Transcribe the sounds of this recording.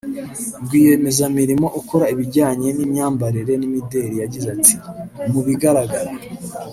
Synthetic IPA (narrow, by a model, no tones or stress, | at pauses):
bɡwiːje̞me̞zamiɾimo̞ʔuko̞ɾaiβiɟaːɲe̞nimɲaːmbaɾiɾe̞nimide̞ːɾijaɟizatimuβiɡaɾaɡaɾa